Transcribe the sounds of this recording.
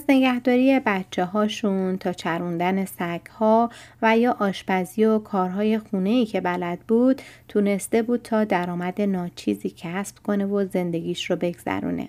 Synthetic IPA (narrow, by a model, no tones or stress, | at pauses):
æzne̞ɡæhd̪ɒːɾije̞bæt̪t͡ʃʰːe̞ɦɒːʃunt̪ʰɒːt͡ʃʰæɾund̪æne̞sæɡhɒːvæjɒːʔɒːʃbæziokʰɒːɾɦɒːje̞xuːne̞iːcʰe̞bælæd̪̥̚buːd̪̥t̪ʰune̞st̪e̞buːd̪̥̚t̪ʰɒːd̪æɾɒːmæd̪e̞nɒːt͡ʃʰḭːziːcʰæspkʰo̞ne̞vo̞ze̞nd̪e̞ɡiːʃrobe̞ɡz̥æ̰ɾṵːnḛ